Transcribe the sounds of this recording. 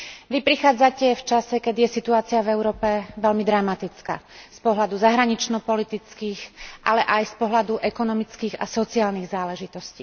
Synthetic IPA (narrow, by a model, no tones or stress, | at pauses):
ʋipɾixaːd͡zacɛft͡ʃasɛkɛd̪ijɛsit̪uaːt͡siavɛʊɾɔːpɛʋɛlmid̪ɾamat̪it͡ska̰ːspɔɦlad̪uzaɦɾaɲit͡ʃnɔpɔlit̪it͡skiːxɣʔalɛʔajspɔɦlad̪uʔɛkɔnɔmit͡skiːɣa̰sɔt͡siaːlniɣzaːlɛʒit̪ɔsciː